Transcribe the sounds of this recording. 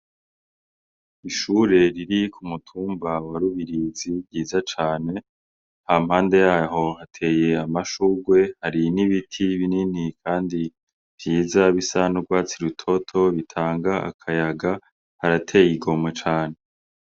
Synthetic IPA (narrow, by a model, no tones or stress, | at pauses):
iʃuɾe̞ɾiɾikʰumutʰuːmbawaɾuβiɾizibɟiːzat͡ʃaːne̞ | hamhaːnde̞jaːɦo̞hatʰe̞ːje̞amaʃuɡwe̞haɾiniβitʰiβininikʰaːndi | v̥jiːzaβisanuɾɡwaːt͡siɾutʰo̞tʰo̞βitʰaːŋɡaa̰kʰajaɡa | haɾatʰe̞ːjiɡo̞mwet͡ʃaːne̞